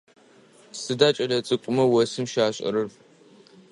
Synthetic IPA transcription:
sɨdaːt͡ʃʼɐlɐt͡sʼɨkʷʼʊmɐwɐsɨmʃaːɕʼɐ̰ɾɨr

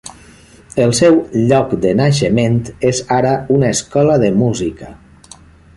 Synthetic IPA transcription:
əlˠsɛwʎɔkd̪ənaʃəment̪ezaɾəunaeskɔləðəmuzikə

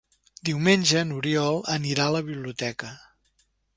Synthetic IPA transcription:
d̪iwmenʲʒənuɾiɔlˠəniɾaələβiβliut̪ɛkə

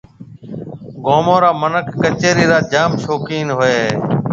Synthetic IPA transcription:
ɡoːmõːɾaːmənəkʰːət͡ʃeːɾiːɾaːd͡ʒaːmʃoːkiːnɦʊeːɦeː

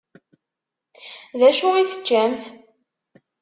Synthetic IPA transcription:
ðæʃʊiθə̥t͡ʃːæmθ

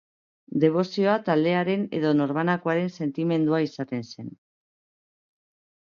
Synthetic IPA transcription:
d̪e̞β̞o̞sio̞at̪ald̪e̞aɾe̞ne̞̰ð̞o̞no̞ɾβanakoaɾe̞nse̞nt̪ime̞nd̪uaisat̪e̞nse̞n

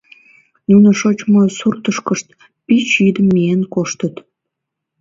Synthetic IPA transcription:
nunə̆ʃot͡ɕmosurt̪əʃkəʃt̪ | pit͡ɕid̪əmːienkoʃt̪ət̪

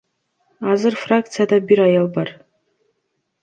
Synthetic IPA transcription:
azɨrfrak̚tt͡sʰijad̪abiɾajalbar

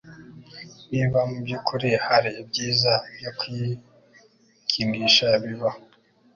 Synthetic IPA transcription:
βiβamubukʰuɾehaɾib̚ɟiːzajokʰwi | kʰimiʃaβiβa

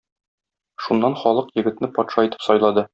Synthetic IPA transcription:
ʃunːɑnχɒlˠɤqjɘ̆ɡɘ̆t̪nɘpɒt̪ʃɑit̪ɘ̥p̪sɒjlˠɑd̪ɤ

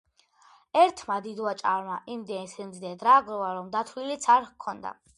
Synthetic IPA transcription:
ɛɾt̪ʰmad̪id̪wat͡ʃʼa̰ɾmaʔimd̪ɛsɛmd̪ɛd̪ɾaɡɾɔvaɾɔmd̪at̪ʰlilit̪sʰaɾkʰɔnd̪a̰

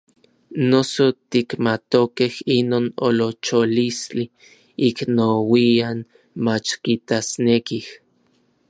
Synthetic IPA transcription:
nosot̪ikmat̪okehinoːno̰lot͡ʃolist͡ɬi | iknowian | mat͡ʃkit̪asnekih

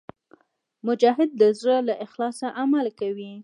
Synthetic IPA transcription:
mʊd͡ʒɑɦɪd̪̚ːəzɽəlaʔɪxlɑsaʔamalkawi

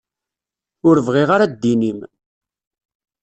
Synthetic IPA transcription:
ʊɾvʁiʁaɾad̪ːinim

